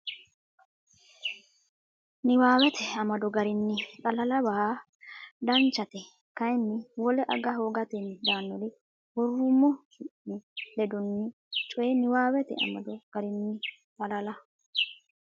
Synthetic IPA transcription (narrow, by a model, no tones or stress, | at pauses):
nɪwaːwɛt̪ʰɛɐmɐd̪ɔɡɐɾɪnːɪkʼɐlɐlɐbɐha | d̪ɐnt͡ʃːɐt̪ɛ | kɐjnːɪwɔlɛʔɐɡɐɦoːɡɐt̪ɛnd̪aːnːɔd̪ɪ | wɔrːʊmːɔhɪʔnːɪlɛd̪ʊnːɪ | t͡ʃʼɔjɛnɪwaːwɛt̪ɛ̰ɐ̰mɐ̰d̪ɔɡ̥ɐɾɪnːɪ | kʼɐlɐlɐ